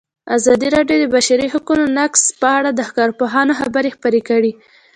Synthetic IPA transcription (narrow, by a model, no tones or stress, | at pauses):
azɑd̪iɾɑɖjod̪əbaʃaɾiɦakunonakspəaɽad̪əhkɑɾpoɦɑnoxabəɾexpəɾekəɽi